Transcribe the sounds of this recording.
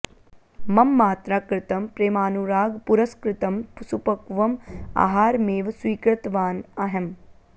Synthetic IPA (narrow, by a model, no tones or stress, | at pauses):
mɐmːaːt̪ɾaːkɾɪt̪ɐmpɾeːmaːnuɾaːɡpuɾɐskɾɪt̪ɐmpusupɐkʋɐma̰ːɦaːɾmeːʋsʋiːkɾɪt̪ʋaːnɐɦɐm